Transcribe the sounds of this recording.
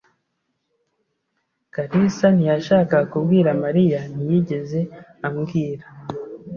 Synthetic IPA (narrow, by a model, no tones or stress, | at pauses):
kaɾisanijaʃaːkakubɡiːɾamaɾijanijiɟe̞ze̞amɡiːɾa